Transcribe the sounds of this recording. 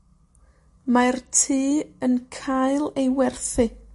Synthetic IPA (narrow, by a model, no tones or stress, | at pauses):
martʰiːənkʰajlˠejwɛrθɨ